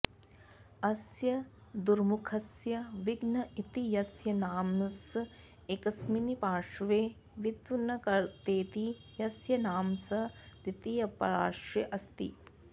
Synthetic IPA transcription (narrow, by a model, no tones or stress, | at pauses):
ɐsjɐd̪uɾmukʰɐsjɐʋiɡnɐit̪ijɐsjɐnaːms | ekɐsminipaːʂʋeː | ʋit̪ʋunɐkɐɾt̪eːt̪i | jɐsjɐnaːmsɐt̪it̪ijɐpɐɾaːɾʂeʔɐst̪ḭ